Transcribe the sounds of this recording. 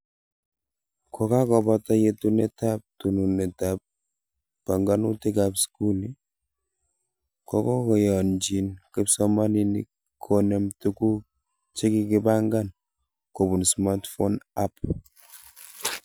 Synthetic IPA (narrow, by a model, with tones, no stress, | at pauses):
kʰɔ˨ka˦kɔ˨pata˦jetunɛ˦tap̚tu˨nu˨nɛ˨tap̚ː | a˨ŋɡa˦nu˦ti˦kapsku˦li | kɔkɔ˦kɔ˨jɔ˨nd͡ʒi˨nkɪ˦psɔma˦ninḭ | kʰːonɛmtuku˦ | t͡ʃi˦kikɪbaŋɡa˦n | ko˨bu˨nsma˦tfonap